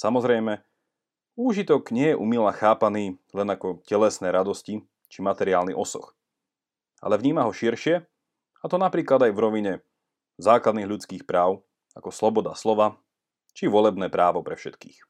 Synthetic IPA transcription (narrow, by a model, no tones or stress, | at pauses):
samɔzɾɛjmɛ | uːʒit̪ɔkɲɪɛjɛʔumilaxaːpaniːlɛnakɔcɛlɛsnɛːɾad̪ɔsci | t͡ʃimat̪ɛɾiaːlnḭʔɔsɔ̰x | ʔa̰lɛvɲiːmaɦɔʃiɾʃɪɛ | at̪ɔnapɾiːklad̪ajvɾɔʋiɲɛ | zaːklad̪niːɣʎut͡skiːxpɾaːʊ | akɔslɔbɔd̪a̰slɔʋa | t͡ʃiʋʊɔlɛbnɛːpɾaːʋɔpɾɛfʃɛt̪kḭːx